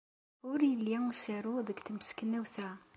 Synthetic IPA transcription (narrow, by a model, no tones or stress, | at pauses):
ʊɾjəlːisəɾuðəɡt̪əməskənːæwθæ